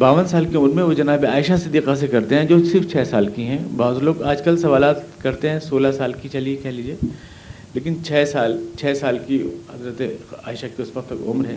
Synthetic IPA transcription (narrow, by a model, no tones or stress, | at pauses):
baːʋənsaːlkeʊmɾmẽʋod͡ʒɐnaːbeaːɪʃasɪd̪iːqas̬ekɐɾt̪eɦɛ̃d͡ʒoːsɪɾft͡ʃʰɛːsaːlkiɦɛ̃baːzloːɡaːd͡ʒkɐlsɐʋaːlaːt̪kɐɾt̪ẽɦɛ̃soːlasaːlkit͡ʃɐliekɛɦlid͡ʒieː | leːkɪnt͡ʃʰɛːsaːlt͡ʃʰɛːsaːlkihɐzɾət̪ea̰ːɪʃakiʊsʋəq̚t̪ʊ̰mɾɦɛ̃ː